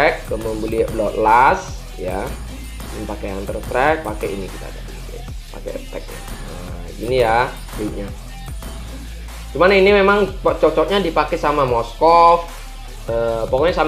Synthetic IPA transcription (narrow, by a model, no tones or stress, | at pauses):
ɛkːəməmbuliɛʔblɔʔ̪las | ja | nnpakeant̪ərt̪ɾɛk̚pakeinikit̪a̰t̪a̰dḭ | pa̰kḛə̰t̪ɛk̚ja̰ | ə | ḭnija | baiɲa | t͡ʃumaninimemaŋpt͡ʃɔk̚t͡ʃɔk̚ɲadipakɛsamamɔskɔf | əpokɔɲasam